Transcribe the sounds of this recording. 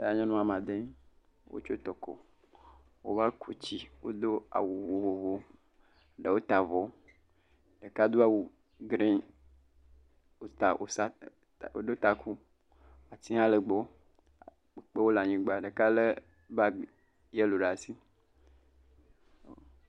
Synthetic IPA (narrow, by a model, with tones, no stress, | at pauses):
e˨˦a˨˦ɲã˦nũ˦a˨mã˨d̪e˦ | wo̰˦t͡ʃo˦t̪ɔ˨kɔ̰˨ | wo˦va˦kʰu˨t͡ɕi˦wo˦d̪o˦a̰˨wu˨vo˨vo˨vo˦ | ɖə˨wo˦t̪a˨vɔ˨˦ | ɖə˨ka˦d̪o˦a˨wu˨ | ɡɾẽ˦ | o˦t̪a˨ʔo˨sa˦˨ | o˦d̪o˦t̪a˨kʰu˦ | a˨t̪i˦ã˦lə˨ɡ͡bɔ˦˨ | k͡pe˦wo˦la˨ɲĩ˨ɡ͡ba˨ɖə˨ka˦le˦ | ba˦ | je˦lo˨ɖa˨si˦ | o˨